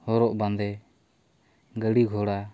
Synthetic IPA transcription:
hɔɾɔʔbãnd̪ɛ | ɡəɽiɡʱɔɽa

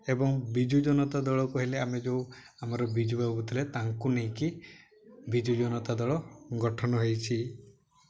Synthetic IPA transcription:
ebɔŋbid͡ʒud͡ʒɔnɔt̪ad̪ɔɭɔkɔɦileamed͡ʒew | amaɾɔbid͡ʒubaubut̪ʰilet̪aŋkunejki | bid͡ʒud͡ʒɔnɔt̪ad̪ɔɭɔɡɔʈʰɔnɔɦejt͡ʃʰi

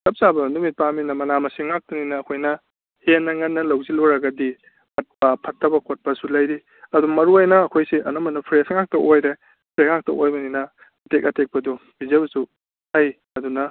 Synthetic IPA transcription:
tʰɐp̚sabɐnumit̚paminɐmɐnamɐsiŋak̚tɐninɐːkʰojnɐ | henːɐŋɐnːɐlɐwziloɾɐɡɐdi | ɐt̚pɐpʰɐtʰːɐbɐkʰot̚pɐsulɐjɾi | ɐdumɐɾuajnɐːkʰojsiʔɐ̰nɐmɐnɐpʰɾesŋak̚tɐʔojɾe | pʰɾeŋak̚tɐʔojbɐninɐ | ɐtek̚ɐtʰek̚pɐdubizɐbɐsu | haj | ɐdunɐ

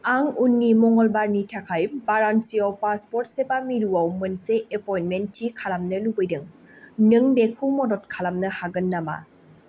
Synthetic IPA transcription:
aŋunːimɔŋɔlbaɾnitʰakʰajbaɾansiawpaspɔɾt̚sepamiɾuawmɯnseʔepɔjnmentʰːikʰalamnɯlubɯjdɯŋ | nɯŋbekʰumɔdɔt̚kʰalamnɐhaɡɯnːama̰

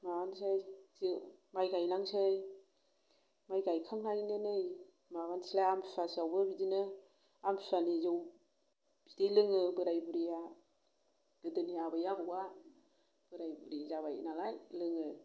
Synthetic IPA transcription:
maɡansajzimajɡajlaŋsej | majɡajkʰaŋhajnenɯj | maɡansilajamʰsasawbɯbidinɯ | amʰsanizɯw | b̥idejlɯŋɯbɯɾajbɯɾija | ɡɯdɯnijabajabuɡa | b̥ɯɾajbɯɾizaβaj̰nalajlɯŋɯ

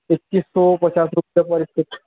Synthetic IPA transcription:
ektisːɔpət͡ɕasɾupjapəɾist̪ʰit̪

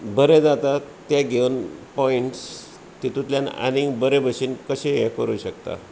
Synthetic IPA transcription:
bəɾed͡zat̪at̪jaɡʱewnpɔiɳʈs | t̪it̪ut̪ljana̰nĩŋɡbəɾebʱəɕinkəɕeɦɛkəɾuːɕəkt̪a̰

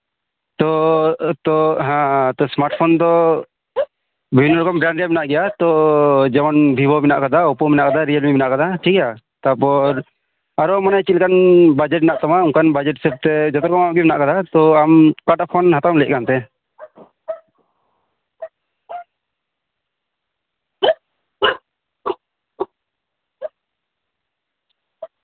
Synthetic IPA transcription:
t̪ɔt̪ɔɦãt̪ɔsmaɾʈ̚pʰɔnd̪ɔ | bʱəbʱinːɔɾɔkɔmbɾanɖijamɛnaʔɡɛjat̪ɔd͡ʒɛmɔnbʱibʱɔmɛna̰ʔkad̪aɔpɔmɛnaʔkad̪aɾijəlmimɛnaʔkad̪aʈʰikja | t̪apɔɾ | aɾɔmanajt͡ʃit̪lkanbad͡ʒɛʈ̚ɛnaʔt̪amauŋkanbad͡ʒɛʈsɛp̚t̪ɛd͡ʒɔt̪ɔɾkɔmaɡimɛnaʔkad̪at̪ɔamkaʈapʰɔnɦat̪amlɛc̚kant̪ɛ

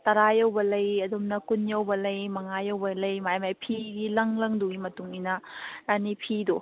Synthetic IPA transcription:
tɐɾajɐwbɐlɐjɐdumnɐkunjɐwbɐlɐjmɐŋajɐwbɐlɐjmajmajpʰiɡilɐŋlɐŋduɡimɐtuŋinɐanipʰido

